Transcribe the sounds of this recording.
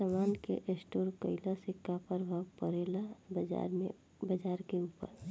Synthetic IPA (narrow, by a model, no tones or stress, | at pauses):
samaːnkeʔesʈoːɾkəɪlasɪkːapəɾbʱawpəɾeːlabəd͡ʒa̰ɾmḛ̃ | bəd͡ʒaːɾkeuːpə̰ɾ